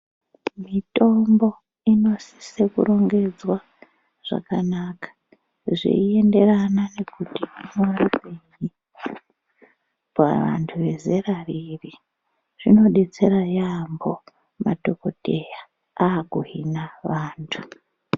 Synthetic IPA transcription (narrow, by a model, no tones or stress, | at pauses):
mito̞mbo̞ | ino̞si̥sekṵɾo̞ŋɡe̞d͡zwa | ʐ̥a̰kanaːkḁ | ʐḭie̞nde̞ranane̞kutiinoriɓeɲi | pa̰ʋa̰ntʰuʋe̞ze̞rariri | ʐ̥ino̞ɗe̞t͡se̞ɾajambo̞ | matoko̞teja | aːɡuɦinaʋaːntʰu